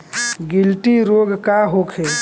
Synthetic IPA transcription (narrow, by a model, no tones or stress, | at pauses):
ɡɪlʈiɾoːɡkaɦoːkʰeː